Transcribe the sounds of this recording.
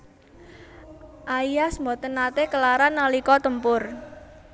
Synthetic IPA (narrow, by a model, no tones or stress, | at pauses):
ʔaijasmbɔt̪ənat̪ekəlaɾanːalikɔt̪əmpʊr